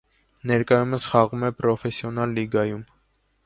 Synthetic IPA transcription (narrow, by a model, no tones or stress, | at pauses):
nɛɾkɑjuməsχɑʁumɛpɾɔfɛsjɔnɑlːiɡɑjum